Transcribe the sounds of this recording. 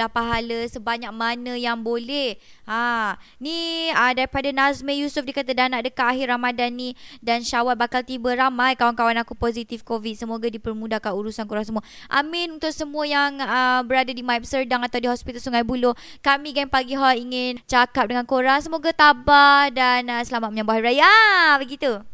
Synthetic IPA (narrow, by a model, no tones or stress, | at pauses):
ahpaɦaləsəbaɲak̚manə̃jaŋbolɛh | a | niədaɾipadanasməjusufdikat̪adanaʔdəkaʔaɦiramadanːidanʃawat̪̚bakalt̪ibəɾamajkawankawanakupozit̪ifkovit̪̚səmoɡadipərmudahkanuɾusankuɾaŋsəmua | ʔa̰mɪ̃nunt̪ʊk̚səmũəjaŋəbəɾadadimaip̚sərdaŋat̪awdiɦɔspit̪alsuŋajbuloh | kamĩɡaŋpaɡiɦaiŋɪnt͡ʃakap̚dəŋankoɾaŋsəmoɡat̪abahdanəsəlamat̪̚məɲãmbaɦaɾajabəɡit̪u